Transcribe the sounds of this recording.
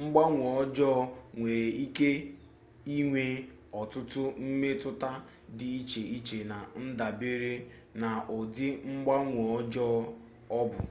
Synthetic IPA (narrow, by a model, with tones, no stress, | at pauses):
ŋ͡m̩˦ɡ͡ba˦ŋʷo˨ɔ˦d͡ʒɔ˦ŋʷe˨ɾe˨i˦ke˦ | i˦ŋʷe˨ | ɔ˨tʊ˦tʊ˦m̩˦me˦tʊ˦ta˦ | dɪ˨i˦t͡ʃe˨i˦t͡ʃe˨na˨n̩˦da˨be˦ɾe˦ | na˨ʔʊ˨dɪ˦ŋ͡m̩˦ɡ͡ba˦ŋʷo˨ɔ˦d͡ʒɔ˦ | ɔ˦bʊ˨